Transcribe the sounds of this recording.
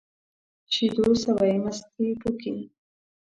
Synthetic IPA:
ʃid̪osawajmast̪ipuki

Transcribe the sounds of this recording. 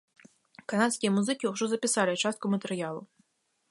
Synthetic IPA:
kanat̪sʲkʲijɐmuzɨkʲiwʐɔzɐpʲɪsalʲɪt͡ʃast̪̚kʊmɐt̪ɛɾjalˠʊ

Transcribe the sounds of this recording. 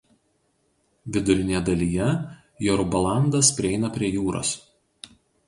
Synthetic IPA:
ʋʲɪd̪ʊɾʲɪnʲɛd̪ɐlʲiːjɛ | joɾʊbɐlˠɑˑnd̪ɐspʲɾʲɪɛɪnɐpʲɾʲiɛjuːɾo̰ːs

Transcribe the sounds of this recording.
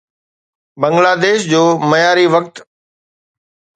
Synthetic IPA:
bɐ̃ŋɡlaːd̪eːʃd͡ʑoːmɐjaːɾiʋɐkt̪

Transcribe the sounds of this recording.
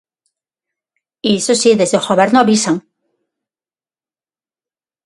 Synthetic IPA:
iesosiðezðexoβeɾnoaβisaŋ

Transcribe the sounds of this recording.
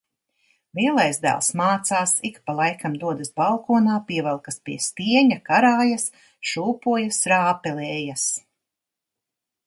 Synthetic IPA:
viɛlˠajzd̪æ̰ːlˠsmaːt̪saːsikpalˠajkʰamd̪uɔd̪asbalˠkɔːnaːpiɛvɛlˠkaspiɛst̪iɛɲakaɾaːjas | ʃuːpuɔjasɾaːpɛlɛːjas

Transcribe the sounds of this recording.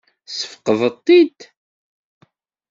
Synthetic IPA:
sə̥fə̥qəðˤət̪ˤːid̪

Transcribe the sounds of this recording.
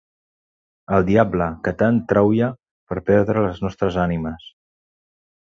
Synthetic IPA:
əlˠd̪iabləkət̪ant̪ɾawjə | pəɾpɛɾðɾələznɔst̪ɾəzaniməs

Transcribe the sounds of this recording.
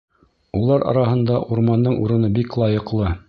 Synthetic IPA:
ulˠɑɾɑ̰ɾɑɦɤ̆nd̪ɑʔuɾmɑnd̪ɤɴṵɾɤ̆nɤbiklˠɑjɤ̆qlˠɤ

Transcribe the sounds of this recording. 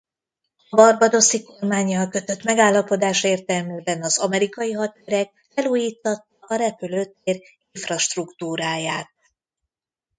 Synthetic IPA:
ɒbɒrbɒd̪o̞siko̞rmaːɲːɒlkø̞t̪ø̞t̪mɛɡaːlːɒpo̞d̪aːʃeːrt̪ɛlmyːbɛnɒzɒmɛɾikɒjiɦɒt̪øɾɛk̚ | fɛluːjiːt̪ːɒt̪ːɒʔɒɾɛpyløːt̪ːeːr | iɱfrɒʃt̪rukt̪uːɾaːjaːt̪̚

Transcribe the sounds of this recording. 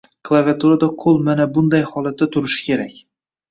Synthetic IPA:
kʰlˠavʲiat̪ʰuɾad̪aqʰolˠmanabʊnd̪ajhɒlat̪ːat̪ʰʊɾɪʃɪ̥kʲʰe̞ɾakʲ

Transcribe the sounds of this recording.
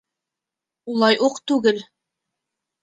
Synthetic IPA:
ulˠɑjʔuqt̪ʉɡɘl

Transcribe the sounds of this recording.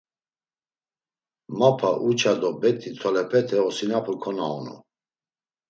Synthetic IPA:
mapʰaʔut͡ʃʰad̪ɔbɛt̪ʰit͡s̪ʰɔlɛpʰɛt̪ʰɛɔsinapʰukʰɔnaɔnṵ

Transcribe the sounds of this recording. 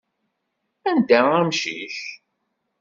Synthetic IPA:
ænd̪ææmʃḭç

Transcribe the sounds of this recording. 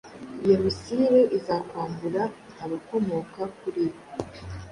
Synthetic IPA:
jeɾusiɾeʔizakwaːmbuɾa | naβako̞moːkakuɾiβo

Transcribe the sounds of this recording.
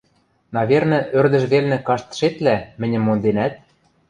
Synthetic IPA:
nɑβʲernɤ̆ʔørd̪ə̆ʃβelnĕkɑʃt̪ə̥ʃet̪læmɘ̆nʲɘ̆mːond̪enæt̪̚

